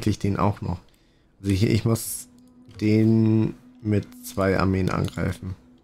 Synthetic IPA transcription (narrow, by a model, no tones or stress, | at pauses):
kʰlɪçd̥eːnʔa̰ʊxnɔ̰χ | ʔazoɪçʔɪ̰çmʊs | d̥eːn | mɪtt͡sv̥aɪʔa̰ɐmeːənʔa̰nɡʁa̰ɪfn̩